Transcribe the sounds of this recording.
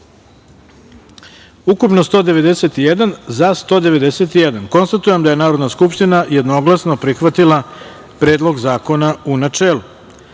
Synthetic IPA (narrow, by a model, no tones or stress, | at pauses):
ukupno̞st̪o̞ːd̪e̞ʋe̞d̪eset̪ijed̪anzast̪o̞ːd̪e̞ʋe̞d̪eset̪ijed̪anko̞nst̪at̪ujemd̪aje̞naːɾo̞d̪naskupʃt̪inaje̞d̪no̞ɡlˠasno̞pɾixʋat̪ilˠa | pɾe̞ːd̪lo̞ɡzaːko̞naunat͡ʂeːlu